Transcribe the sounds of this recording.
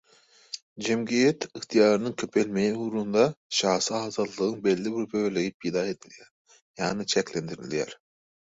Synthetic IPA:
d͡ʒɛmɡʲijɛt̪ɨχt̪ʰijɑːɾɨnɨŋkʲʰøpʰɛlmɛjhuɾund̪ɑʃɑːsɨɑːzɑd̪lˠəʁɯŋbɛlːɪbɪɾbølɪɡʲip̚id̪ɑːed̪ilijɛɾ | jɑːnɪt͡ʃʰɛkʲlɛnd̪iɾḭlijɛ̰ɾ

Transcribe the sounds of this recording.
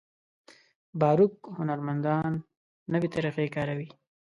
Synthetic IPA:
bɑːɾukhʊnaɾmand̪ɑnː | əwet̪aɾixekɑːɾawi

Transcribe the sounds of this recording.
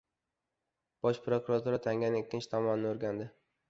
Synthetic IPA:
b̥ɒʃpɾokʊɾat̪ʰuɾat̪ʰaŋɡʲanekʲʰːɪnt͡ʃʰɪt̪ʰɒmɒnːɪoɾɡʲand̪ɪ

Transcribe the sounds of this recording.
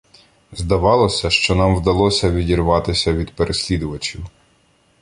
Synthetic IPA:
zd̪ɐʋɑlˠɔsʲɐʃt͡ʃɔnɑmwd̪ɐlˠɔsʲɐʋʲidʲirʋɑt̪ɪsʲɐʋʲid̪peɾesʲlʲid̪ʊʋɐt͡ʃʲiw

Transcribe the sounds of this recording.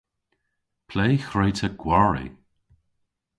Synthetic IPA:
pʰlejxɹejtʰəɡ̥waɹḭ

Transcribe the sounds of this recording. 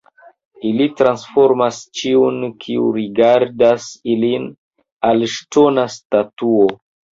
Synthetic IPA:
ilitɾansfo̞ɾmast͡ʃiunkʰiṵɾiɡaɾdasilin | alʃto̞nastatuo

